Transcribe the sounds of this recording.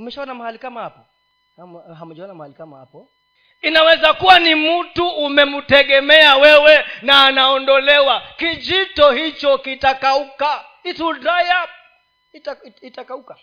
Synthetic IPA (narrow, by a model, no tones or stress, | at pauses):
umɛʃaɔnamahalikamahapɔ | amɦamud͡ʒaɔnamahalikamaha̰pɔ | inawɛzakuwanim̩tuʔːmɛmutɛɠɛmɛawɛwɛnaːnaɔndɔlɛwakid͡ʒitɔhit͡ʃɔkitakauka | ituɾaja | titakauka